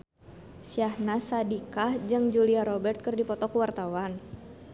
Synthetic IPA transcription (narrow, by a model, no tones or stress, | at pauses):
siahnasadikahd͡ʒɨŋd͡ʒuliaɾɔbɛrt̪̚kɨrdipɔt̪ɔkwart̪awan